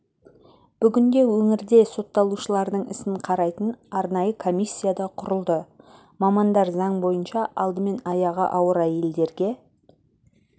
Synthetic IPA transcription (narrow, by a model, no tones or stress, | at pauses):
b̥ʏɡʲɪŋɡ̪ʲe̞wɵŋɪɾd̪e̞so̞t̪ːɑlˠuʃəlˠɑɾd̪əɴɪ̰sɪɴqʰɑɾɑjt̪ənɑɾnɑjəkʰo̞mʲijsʲːijad̪ɑqʰʊɾəlˠd̪ə | mɑmɑnd̪ɑɾzɑɴbo̞jənʃɑʔɑlˠd̪əme̞nɑjɑʁə̰ʔɑwəɾæje̞ld̪e̞ɾɡʲe̞